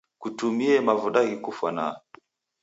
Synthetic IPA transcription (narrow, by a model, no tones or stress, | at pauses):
kutumiɛmavuɗaɣikufwa̰na̰